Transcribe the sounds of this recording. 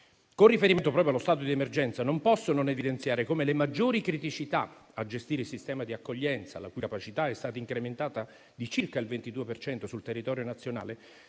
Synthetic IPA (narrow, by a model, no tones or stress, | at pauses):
konrifeɾiment̪opɾɔpjoalost̪aːt̪̬od̪iemerd͡ʒɛnt̪sanompɔsːononevid̪ent̪sjaːɾekomelemad͡ʒːoːɾikɾit̪it͡ʃit̪aad͡ʒːest̪iːɾeilsist̪ɛːmad̪iakːoʎːɛnt̪sa̰la̰kukapat͡ʃit̪aɛst̪aːt̪aiŋkɾement̪aːt̪a | d̪it͡ʃirkailvent̪id̪uːepert͡ʃɛnt̪osult̪erːit̪ɔːɾjonat̪sːjona̰ːle